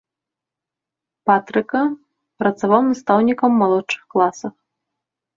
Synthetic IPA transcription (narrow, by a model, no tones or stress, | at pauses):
pat̪ɾɨkɐ | pɾɐt̪savawnɐst̪awnʲikɐmːalˠɔtʂɨ̥xklˠasɐx